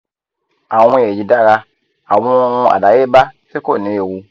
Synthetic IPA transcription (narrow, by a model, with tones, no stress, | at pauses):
a˨˦w̃je˨d͡ʒi˦da˦˨ɣa˦ | a˨wu˦u˦a̰˨da˨je˦ba˦se˦ko˦˨ne˨˦e˨wu˦